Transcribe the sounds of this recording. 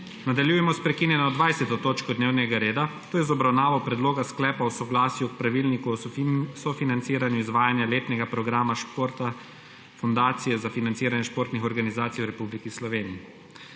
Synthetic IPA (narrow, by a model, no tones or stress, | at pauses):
nad̪aljuːjɛmɔspɾɛkiːnjɛnɔd̪ʋajsɛt̪ɔt̪oːt͡ʃkɔd̪neːwnɛɡaɾeːd̪at̪oːjɛzɔbɾawnaːʋɔpɾɛd̪loːɡasklɛːpawsɔɡlaːsjuk̚pɾaʋiːlnikusɔfinant̪siːɾanjuizʋaːjanjaleːt̪nɛɡapɾɔɡɾaːmaʃpoːɾt̪a | fɔnd̪aːt̪sijɛzafinant̪siːɾanjɛʃpoːɾt̪nixɔɾɡanizaːt̪ijwɾɛpublikislɔʋeːnii